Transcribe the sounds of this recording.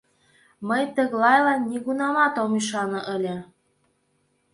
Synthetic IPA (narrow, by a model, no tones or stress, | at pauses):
məjt̪ə̆ɣlɑjlɑnːiɣunɑmɑt̪omiʃ̬ɑnɤ̆ʔə̆lʲĕ